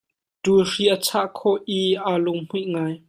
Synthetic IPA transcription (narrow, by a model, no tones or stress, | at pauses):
tuːriʔət͡sʰaʔkʰɔʔʔiʔalʊŋm̥uʔŋaːj